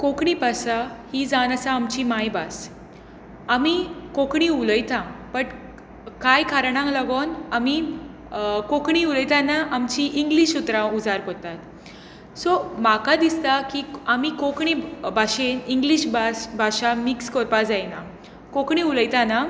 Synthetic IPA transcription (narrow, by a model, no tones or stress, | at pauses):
kokɳibʱasahid͡zanəsaːmt͡ɕimajbas | amikokɳiuləjt̪ãpəɳ | kajkʰaɾɳãŋkləɡonami | kokɳiuləjt̪anaʔamt͡ɕiʔiŋɡliɕut̪ɾãud͡zaɾkɔt̪at̪ | sɔmakad̪ist̪akiamikokɳibʱaɕeniŋɡliɕbasbʱaɕamikskɔɾpad͡zajna | kokɳiuləjt̪ana